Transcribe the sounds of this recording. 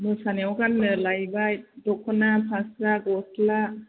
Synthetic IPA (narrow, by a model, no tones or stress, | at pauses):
mɯsaneawɡanːɯlajbaj̚dɔkʰːɔnapʰasaɡɔsla